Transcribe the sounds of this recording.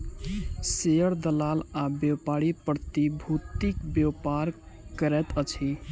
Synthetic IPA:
seəɾd̪əlalabewpaɾipɾət̪ibʱut̪ikbjewpaɾ | kəɾɛt̪ət͡ʃʰi

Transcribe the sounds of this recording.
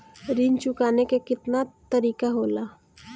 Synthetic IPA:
ɾint͡ʃʊkaːnekekɪt̪nat̪ɐɾiːkaɦoːlaː

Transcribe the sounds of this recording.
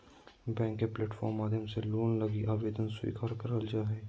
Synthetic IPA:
bɛ̃ːŋkːeplɛːʈfɔ̰ːɾmːaːd̪ʱjəmseloːnlɐɡiʔaːʋeːd̪ənswḭːkaːɾkɐɾəld͡ʒaːɦɛː

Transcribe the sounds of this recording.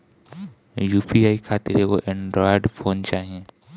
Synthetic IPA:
juːpiaːikʰaːt̪iɾekoʔɛ̃ɳɖɾɔːɪɖpʰoːnt͡ʃaːɦiẽː

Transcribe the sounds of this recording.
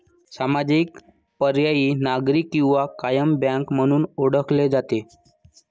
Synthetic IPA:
samad͡zik | pəɾjajiːnaɡɾikːĩw̃ʋakajəmbjãŋkm̤əɽ̃uːnoɽəkled͡zat̪e

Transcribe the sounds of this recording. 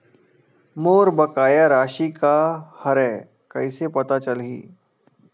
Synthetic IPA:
moːɾbəkaːjaɾaːʃikahəɾɛː | kɐɪsepɐt̪at͡ʃəlɦḭː

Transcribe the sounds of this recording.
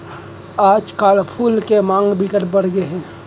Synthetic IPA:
aːd͡ʒkaːlpʰuːlkemãːŋɡbʱɪkəɾbəɽ̤ɡeɦɛ̃ː

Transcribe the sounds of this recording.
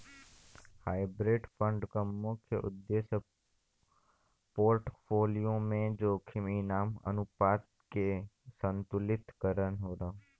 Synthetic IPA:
haːɪbɾeːɖfə̃ɳɖkəmːʊkʰjəʔʊ̰d̪ːeːs | poːɾʈpʰoːlijõmẽd͡ʒoːkʰɪminaːmə̰nupaːt̪̚ | kesə̃nt̪ʊlɪt̪kəɾənɦoːɾə̃

